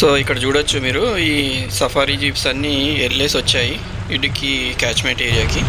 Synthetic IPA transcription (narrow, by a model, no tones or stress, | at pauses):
so̞ːikːɐɽɐt͡ʃuːɽɐt͡ʃːumiːɾuiːsɐpʰaːɾid͡ʒiːpsɐnːielleːsʋɐt͡ʃːaːji | iɖikikaːt͡ʃmeʈeːɾijaːki